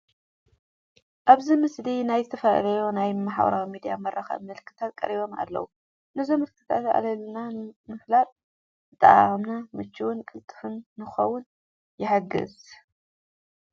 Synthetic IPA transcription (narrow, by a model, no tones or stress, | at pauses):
ʔaβzimɨsd̪inajzɨt̪ʰɐfɐl̰lɐjonajmaħawɐ̰ɾawimid̪ijamɐɾʔaxɐ̰βmɨlɨkʰːɨt̪ʰat̪̚kʼɐ̰ɾiβo̞ma̰lːɐ̰wu | nɨzomɨlkʰːɨt̪ʰat̪a̰lɐlnamɨflat̪ʼ | ɨt̪ʼːɐ̰ʔa̰mnamɨt͡ʃːɨwʊnkʼɨlt̪ʼːɨ̥fɨnːɨxɐwʊn | jɪħaɡɨ̰z